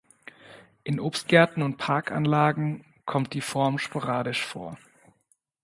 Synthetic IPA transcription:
ʔɪnʔoːpst̚ɡ̥ɛɐtn̩ʊntpʰaɐka̰nlaːɡŋ̩ | kʰɔmt̚d̥iːfɔɐmʃpʰoʁaːdɪʃfo̰ːɐ

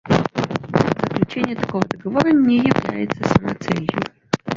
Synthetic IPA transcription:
zəklʲʉt͡ɕenʲɪjət̪ɐkovəd̪əɡɐvoɾənʲɪjɪvlʲæ̰jɪt̪səsəmɐt̪sɛlʲjʊ

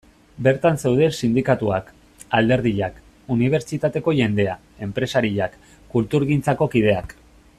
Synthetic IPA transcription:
be̞ɾt̪anse̞wð̞e̞sind̪ikat̪uak | ald̪e̞ɾð̞iʎak | uniβ̞e̞ɾt͡ʃit̪at̪e̞ko̞ʝe̞nd̪e̞a | e̞mpɾe̞saɾiʎakː | ult̪uɾɣint͡sako̞kið̞e̞ak

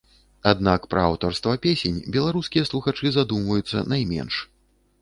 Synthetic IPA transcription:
ad̪nakpɾɐawt̪ɔrst̪vɐpʲesʲenʲbʲɛlˠaɾuskʲijɐslˠuxat͡ʂɨzad̪umvɐjut̪sːɐ̰najmʲɛ̰nʂ

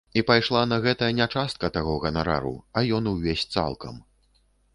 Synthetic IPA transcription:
ipajʂlˠanɐɣɛt̪ɐjɐnʲat͡ʂast̪̚kɐt̪aɣɔɣɐnaɾa̰ɾṵɐjɔnuwvʲesʲt̪sa̰lˠkɐ̰m

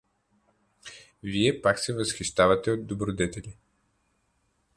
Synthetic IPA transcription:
viɛpaksɛvɐsxiʃt̪avɐt̪ɛod̪d̪obɾod̪ɛt̪ɛlʲi

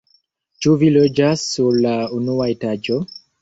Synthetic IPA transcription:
t͡ʃuvilod͡ʒasːuɾlaunuaetad͡ʒo

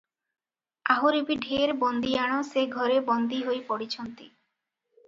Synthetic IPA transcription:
aɦoɾibiɖʱeɾbɔnd̪iaɽ̃ɔseɡʱɔɾebɔnd̪iɦojpɔɽit͡ɕʰɔnt̪i

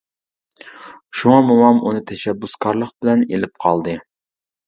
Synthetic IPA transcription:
ʃuŋɑmumɑmunɨt̪ʰɛʃɛbːuskʰɑɾlˠəq̚bɪlɛnelɪp̚qʰɑlˠd̪ɨ

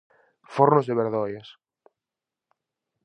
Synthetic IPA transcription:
foɾnozðeβeɾðɔjas

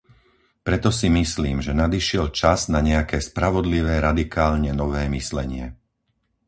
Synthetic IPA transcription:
pɾɛt̪ɔsimisliːmʒɛnad̪iʃɪɛlt͡ʃaznaɲɛakɛːspɾaʋɔd̪liʋɛːɾad̪ikaːlɲɛnɔʋɛːmislɛɲɪɛ

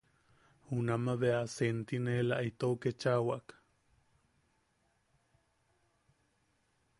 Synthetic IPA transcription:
hunamaβeasent̪inelaʔit̪oket͡ʃawaʔk

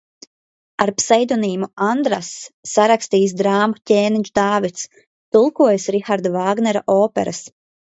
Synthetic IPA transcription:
aɾpsɛjd̪uniːmuand̪ɾa̰sːaɾakst̪iːs̬d̪ɾaːmatʲeːniɲʲt͡ʃd̪aːvit̪s | t̪ulˠkuɔjasɾixaɾd̪ɔvaːɡnɛɾaʔɔːpɛ̰ɾas

